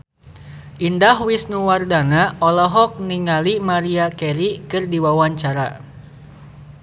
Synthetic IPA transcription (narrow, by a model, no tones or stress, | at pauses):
ʔindahwisnuwardanaɔlɔɦɔk̚niŋalimaɾiakɛɾikɨrdiwawaɲt͡ʃaɾa̰